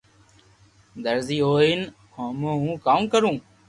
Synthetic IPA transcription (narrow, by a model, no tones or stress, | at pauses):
d̪əɾziːɦoːiːn | hoːmõːɦũːkaːmkəɾũː